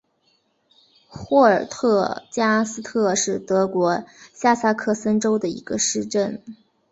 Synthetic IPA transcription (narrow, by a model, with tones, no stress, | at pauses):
xwɔ˥˩ə˞˨˩t̪ʰɤ˥˧t͡ɕja˥sɹ̩˥t̪ʰɤ˥˧ʂɻ̩˥˩t̪ɤ˧˥kwɔ˧˥ɕja˥˩sa˥kʰɤ˥˩sə˥nʈ͡ʂo˥ʊd̪ə˨ḭ˧˥ɡ̥ə˧ʂɻ̩˥˧ʈ͡ʂə˥˩n